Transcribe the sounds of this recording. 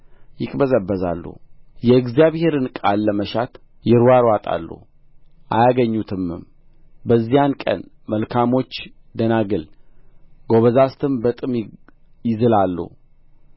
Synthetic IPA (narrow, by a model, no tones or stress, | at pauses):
jɪkʼbəzəbːəza̰lːṵhjɛɨɡzijaβhe̞ɾɨnkʼalːəməʃat̪ | jɪɾwaɾwat̪ʼa̰lːṵh | ʔa̰jaɡəɲːut̪ʰɨmːɨ̰m | bəzːijankʼə̰n | məlkʰamo̞t͡ʃː | d̪ənaɡɨl | ɡo̞βəzast̪ʰɨmbət̪ʼɨm | jɪzɨlalːṵh